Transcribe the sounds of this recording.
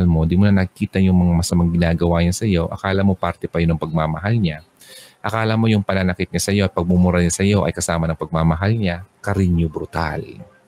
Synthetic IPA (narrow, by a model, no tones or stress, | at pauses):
lmo̞d̪imonɐnɐkiːt̪ɐjʊŋmɐŋamɐsɐmaŋɡɪnaːɡɐwaɲasɐjo̞ʔɐ̰kaːlɐmo̞paɾt̪ɛpɐjʊnɐŋpɐɡ̚mamɐɦalɲa | ʔɐkaːlɐmo̞jʊŋpɐnanɐkɪt̪̚ɲasɐjo̞ɐt̪̚pɐɡ̚mʊmʊɾaɲasɐjo̞ʔɐ̰jkɐsaːmɐnɐŋpɐɡ̚mamɐɦalɲakɐɾɪɲɲobɾʊt̪a̰l